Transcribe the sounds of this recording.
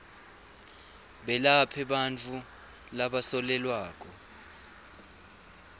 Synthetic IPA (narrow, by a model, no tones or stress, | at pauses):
ɓɛlapʰɛɓant͡fʰu | laɓasɔlɛlwaːk̬ʼɔ